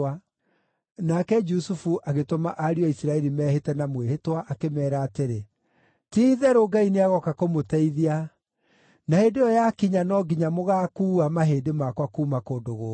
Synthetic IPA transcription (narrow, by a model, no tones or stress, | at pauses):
a | nakɛd͡ʒusufuʔaɣetoma̰ʔaɾiɔisiɾaɛɾimɛːhetɛnamweɦetwaʔakemɛːɾaːteɾe | tiðɛɾoɡaineaɣɔkakomotɛiðia | naheːndejɔjakiɲanɔɡiɲamoɣaːkuːamaɦeːdemakwakuːmakoːndoɣoː